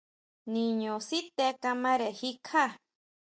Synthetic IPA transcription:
ni˨ɲo˨si˦t̪e˧ka˧ma˦ɾe˨hi˦kʰa˦

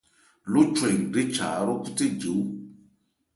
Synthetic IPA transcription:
lo˦t͡ʃwe˨ŋ˨ɖe˦t͡ʃa̰˨˦ɾo˦ku˦te˦d͡ʒo˨˦

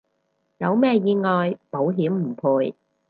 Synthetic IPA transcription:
jɐ˨˧wmɛː˥˧jiː˧ŋɔː˨jpo˨˥wɦiː˨˥mm̩˨˩pʰuː˨˧j

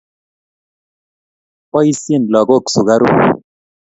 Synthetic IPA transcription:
pɔ˦i˦sje˦˨nlɔ˨ɡo˦˨ksu˨ɡa˦ɾṵ˦˨

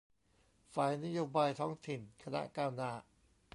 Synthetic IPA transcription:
faː˨˩jna˦˥joː˧baː˧jt̪ʰɔː˦˥ŋt̪ʰi˨˩nkʰa˧na̰˦˥ʔkaː˧wnaː˧˩

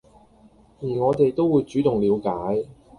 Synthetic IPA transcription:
jiː˨˩ŋɔː˨˧t̪e˨jt̪o˥wuː˨˧jt͡ʃyː˨˥t̪ʊ˨˩ŋliː˨˧wkaː˨˥j

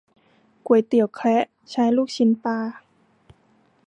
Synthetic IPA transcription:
ku˨˩əjt̪i˨˩əwkʰlɛ˦˥ʔ | t͡ɕʰaː˧˥jluː˥˩k̚t͡ɕʰi˧˦npaː˧

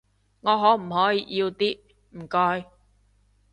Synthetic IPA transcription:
ŋɔː˨˧ɦɔː˨˥m̩˨˩hɔː˨˥jiː˧˥jiː˧wt̪iː˥ | m̩˨˩kɔː˧j

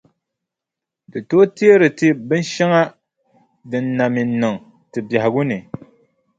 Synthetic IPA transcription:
dɨ˨to˦ti˦e˦ɾɨ˨tɨ˦bɨ˦n˦ʃɛ˦ŋa˦ | dɨ˨nːa˨mi˨n˦nɨ˨ŋ | tɨ˨ba˨hɪ˨ɡu˦nɨ˨

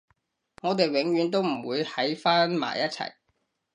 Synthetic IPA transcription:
ŋɔː˨˧t̪̬e˨jwɪ˨˥ŋɥyː˨˧nt̪o˥wm̩˨˩wuː˨˧jhʰɐ˨˥jfaː˥nma̰ː˨˩jɐ˥t̚t͡sʰɐ̰˨˩j

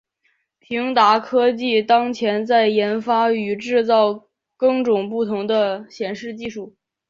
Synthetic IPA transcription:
pʰi˧˥ŋt̪a˧˥kʰɤ˥t͡ɕi˥˩t̪ɑ˥ŋt͡ɕʰjɛ˧˥nt͡sa˥˩ɪjɛ˧˥nfa˥y˨˩ʈ͡ʂɻ̩˥˧t͡sɑ˥˩ʊ | kɤ˥˩ŋʈ͡ʂʊ˨˩ŋp̬u˥˩t̪ʰʊ˧˥ŋd̪ə˧ɕjɛ˨˩nʂɻ̩˥˧t͡ɕi˥˧ʂu˥˩

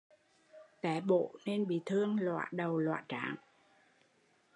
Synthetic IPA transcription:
t̪ɛ˨˦ɓo̰˧˨ne˧nɓḭ˧˨t̪ʰɨ˧əŋlwa̰ː˧˨ɗə˨˩wlwa̰ː˧˨t͡ɕaː˧˨˦ŋ

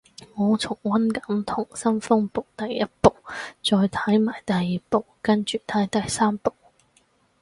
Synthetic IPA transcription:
ŋɔː˨˧t͡sʰʊ˨˩ŋwɐ˥nkɐ˨˥mt̪ʰʊ˨˩ŋsɐ˥nfʊ˥ŋpo˨˩wt̪ɐ˨jːɐ˥t̚po˨wt͡sɔː˧jt̪ʰɐ˨˥jmaː˨˩jt̪ɐ˨jːiː˨po˨˩wkɐ˥nt͡ʃyː˨t̪ʰɐ˨˥jt̪ɐ˨jsaː˥mpo˨w

